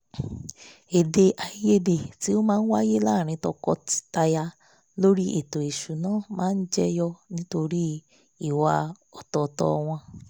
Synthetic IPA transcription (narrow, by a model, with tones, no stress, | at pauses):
e˨de˧ʔa˧˦je˦de˨ti˨˦o˦mãː˦n̩˦wa˦je˦laː˦˨ɾ̃ĩ˧tɔ˧kɔ̰˧ti̥˦ta˧ja˧ | lo˦ɾi˦ʔe˨to˨e˨ʃu˨nãː˦˨mãː˦n̩˦d͡ʒɛ˦jɔ˧nĩ˦to˧ɾi˦ | i˨wa˧ | ɔ˨tɔ˨tɔ̰˧w̃ɔ̃˧